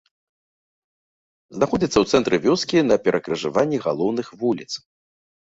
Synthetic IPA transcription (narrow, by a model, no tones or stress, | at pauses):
znaxɔd͡zʲit̪sːɐwt̪sɛnt̪ɾɨvʲɔskʲinɐpʲɛɾʔɐkɾɨʐɨvanʲːiɣa̰lˠɔwnɨxvulʲit̪s